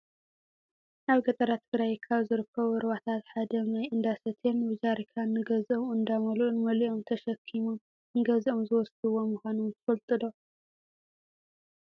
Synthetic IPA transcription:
naβɡɐt̪ʼɐɾat̪ʰɨɡɾajkʰːaβzɨɾɨkʰːɐβuɨɾβat̪ʰat̪ħad̪ɐnajʔɨnd̪asɐt̪ʰenwɨd͡ʒaɾikʰanːɨɡɐzomɨnd̪amɐlʔunmɐliʔomt̪ʰɐʃɐkʰːimum | ɨŋɡɐziomzɨwɔsd̪ɨwo̞mɨxʷanumt̪ʰɐfɐlt̪ʼɨd̪o̞

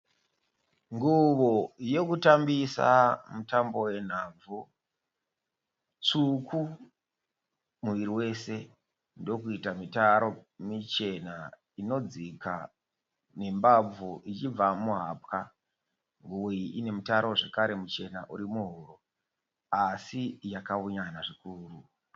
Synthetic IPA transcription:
ŋɡuʋo̞je̞kutambisa̰mutambo̞we̞n̤aːb͡vu | t͡suku | muʋiɾiwe̞se̞ | ndo̞kuitamitaɾomit͡ʃe̞na | ino̞d͡zika | nembab͡vuʔit͡ʃib͡vamuɦaːp̚ka | ŋɡuwoiʔine̞mutaɾo̞ʐekaɾe̞mut͡ʃe̞naʔuɾimuɦuɾo | asijakauɲanaʐikuːru

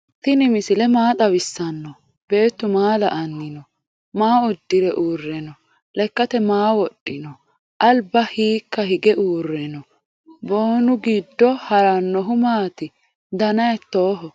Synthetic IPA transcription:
t̪ɪnɪmɪsɪlɛmaːt̪ʼɐwɪsːɐnːɔ | b̥e̞ːt̪ːʊmaːlɐ̰ʔɐnːɪnɔ | maːʊd̪ːɪɾɛʔuːrːɛnɔ | lɛkːɐt̪ɛmaːwɔɗːɪnɔ | ʔɐlbɐhiːkːɐɦɪɡɛʔuːrːɛnɔ | boːnʊɡid̪ːɔhɐɾɐnːɔɦʊmaːt̪ɪ | d̪ɐnɐjt̪ːoːɦɔ

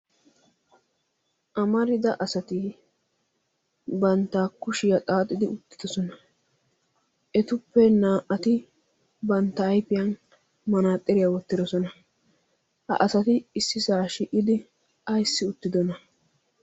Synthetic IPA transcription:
ʔɐmɐɾɪd̪ɐʔɐsɐt̪ɪ | bɐnt̪ːaːkʊʃɪjɐt̪ʼaːt̪ʼːɪd̪ɪʊt̪ːɪ̥d̪̥ɔsɔnɐ | ʔɛt̪ʊpːɛnaːʔɐt̪ɪ | bɐnt̪ːɐːjpɪjɐn | mɐnaːt̪ʼːɛɾɪjawɔt̪ːɪd̪ɔsɔnɐ | hɐ̰ʔɐsɐt̪ɪːsːɪsaːʃɪʔɪd̪ɪ | ɐjsːɪʊt̪ːɪd̪ɔnɐ

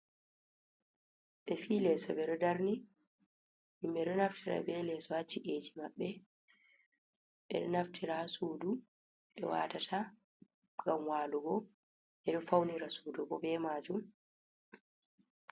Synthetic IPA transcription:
ɓɛfiːlɛsɔbɛɗɔdaɾni | ʔimbɛɗɔnaftʰiɾa̰bɛlɛːsɔhat͡ʃːiʔeːd͡ʒimaɓːɛ | ɓɛ̰ɗɔnaftʰiɾasuːdu | ɓɛ̰wa̰tatʰa | ɡamwaːluɡɔ | ɓɛɗɔfawniɾasuːduɡɔbɛmaːd͡ʒum

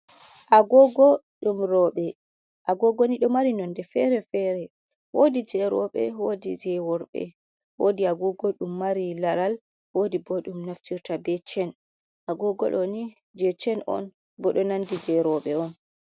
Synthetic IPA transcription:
ʔaɡɔɡɔ | ɗumɾɔɓɛ | ʔaɡɔɡɔniɗɔmaɾinɔndɛfɛɾɛfɛɾɛ | wodid͡ʒɛɾɔɓɛ̰wodid͡ʒɛwɔɾɓɛ̰ | wodiaɡɔɡɔɗumːaɾilaɾal | wodibɔɗumnaftiɾtabɛt͡ʃɛn | ʔaɡɔɡɔ̰ɗɔni | d͡ʒɛt͡ʃɛnʔɔ̰n | bɔɗɔnandid͡ʒɛɾɔɓɛɔn

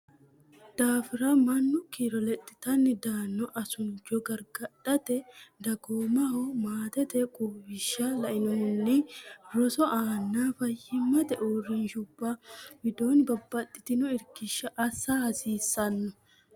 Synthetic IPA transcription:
d̪̥aːfɪɾɐmɐnːʊkiɾɔlɛt̪ʼːɪ̥t̪ɐnːɪd̪aːnːɔʔɐsʊnd͡ʒɔɡɐɾɡɐᶑɐt̪ɛd̪ɐɡoːmɐhomaːt̪ɛt̪ɛkʼuːbɪʃːalɐʔɪnɔhʊnːɪɾɔsɔʔaːnːaːfɐjːɪmːɐt̪ɛʔoːrɪnʃʊbːaːbɪd̪o̞ːnɪbɐbːɐt̪ʼːɪ̥t̪ɪnʊɪɾkɪʃːɐʔːsːahɐsiːsːɐnːʊ

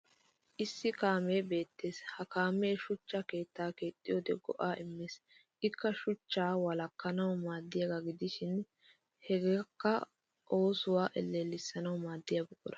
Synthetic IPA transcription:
ʔɪsːɪkaːme̞ːbe̞ːt̪ːe̞ːshɐkaːme̞ːʃʊt͡ʃːɐke̞ːt̪ːaːke̞ːt̪ʼːɪjoːd̪ɛɡɔ̰ʔaːʔɪmːeːs | ʔɪkːɐʃʊt͡ʃːaːwɐlɐkːɐnɐwmaːd̪ːɪjɐɡaɡɪd̪ɪʃɪn | hɛɡeːkːɐ | ʔo̞ːsʊwaːʔɛlːeːlːɪsːɐnɐwmaːd̪ːɪjabɛkʼːʊɾɐ̥

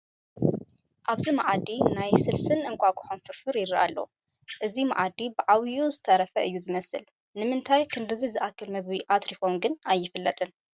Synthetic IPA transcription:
ʔaβzimaʕad̪inajsɨlsɨnʔɨŋkʷʼaɡʼɨ̥ħonfɨɾfɨɾjɪɾia̰lːo̰ | ʔɨzima̰ʕad̪ibɨʕawjuzɨt̪ʰɐɾɐfɐʔɨjːuzɨmɐsɨl | nɨmɨnt̪ʰajkʰɨnd̪ɨzizɨʔakʰːɨlmɨɡβiʔat̪ɾifomɡɨnajːɪfɨlːɐt̪ʼɨn

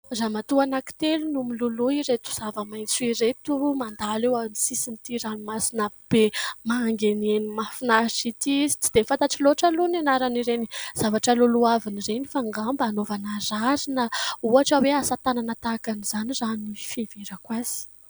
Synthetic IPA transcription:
ramat̪uanaki̥t̪elunumiluluiɾet̪u̥z̥avəmajnt͡suiɾet̪umand̪alewanisisint̪iɾanimasinəb̥emaːŋɡenenimafinasit̪izi̥t͡si̥d̪̥emifant̪aʈ͡ʂiloʈ͡ʂalunanaɾaniɾeniz̥avaʈ͡ʂəluluavinirenifaŋɡambanovanaraɾinəuaʈ͡ʂaweasat̪ananat̪akaniz̥aniranifiveɾakwaz̥i̥

